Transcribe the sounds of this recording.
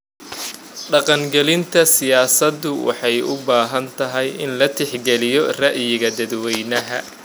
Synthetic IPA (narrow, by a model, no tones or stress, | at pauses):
ɖɑqɑŋɡɛlɪnt̪ʰɐsɪjaːsɐd̪ːʊwɑ̰ħɑjʊ̰baːɦɐnt̪ʰɐɦɛjɪnlɐt̪ʰɪħɡɛlɪjɔrɐʔjɪɣɐd̪ɐd̪wɛjnɐɦɐ